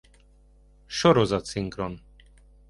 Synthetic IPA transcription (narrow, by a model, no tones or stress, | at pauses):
ʃɔɾɔzat̪siŋkɾɔn